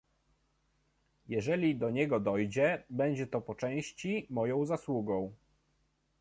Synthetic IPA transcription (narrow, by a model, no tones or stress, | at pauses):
jɛʐɛlʲid̪ɔɲɛɡɔd̪ɔjd͡ʑɛbɛɲd͡ʑɛt̪ɔpɔt͡ʂɛ̃w̃ɕt͡ɕimɔjɔ̃w̃zaswuɡɔ̃w̃